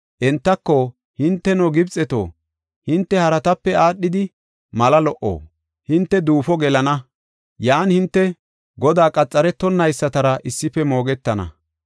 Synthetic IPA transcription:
ʔɛnt̪ːɐkːɔ | hɪnt̪ːɛnɔɡɪbt͡sʼɛt̪o̰ː | hɪnt̪ːɛhɐɾɐt̪ɐpːɛaːɗːɪd̪ɪ | mɐlɐlɔʔo̰ː | hɪnt̪ːɛd̪uːfɔɡɛlɐnɐ | jaːnhɪnt̪ːɛ | ɡɔd̪aːkʼɐt͡sʼːɐɾɛt̪ːɔnːɐjsːɐt̪ɐɾɐʔɪsːɪfɛmo̞ːɡɛt̪ːɐnɐ̰

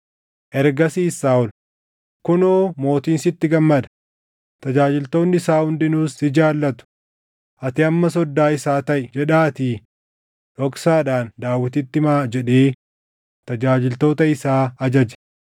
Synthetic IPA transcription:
ʔɛɾɡɐsiːsaːɔl | kʊnoːmo̞ːt̪iːnsɪt̪ːɪɡɐmːɐd̪ɐ̥ | t̪ɐd͡ʒaːd͡ʒɪlt̪o̞ːnːɪɪsaːhʊnd̪ɪnuːsɪd͡ʒaːlːɐt̪ʊ̥ | ʔɐt̪ɪɐmːɐsɔd̪ːaːɪsaːt̪ɐʔɪd͡ʒɛᶑaːt̪iː | ʔɔksaːᶑaːnd̪aːwːɪt̪ɪt̪ːɪmaːd͡ʒɛᶑeː | t̪ɐd͡ʒaːd͡ʒɪlt̪o̞ːt̪ɐɪsaːɐd͡ʒɐd͡ʒɐ̥

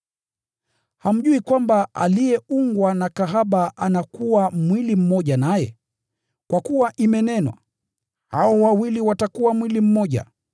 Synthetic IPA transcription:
ham̩ʄuikwambaʔa̰lijɛuŋɡwanakaɦaɓaʔanakuwamwilim̩mɔʄanajɛ | kwakuwaʔimɛnɛnwa̰ | haɔwawiliwatakuwamwilim̩mɔʄa̰

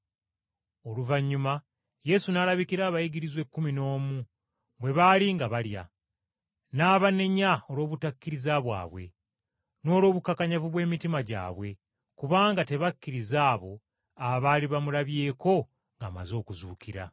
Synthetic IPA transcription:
o̞luvaɲːuma | je̞sunaːlaβikiɾaːβajiɡiɾizwe̞kːumino̞ːmu | βwe̞βaliŋɡaβalja̰ | naːβaneɲaolo̞ːβutakːiɾizaβwa̰ːβwe̞̰ | no̞ːlo̞ːβukakaɲavuβwe̞ːmitimaɟa̰ːβwe̞ | kuβaːŋɡate̞βakːiɾizaːβo̞ | aβaliβamulaβje̞ːko̞ | ŋɡaːma̰zo̞ːkuzuːkiɾa̰

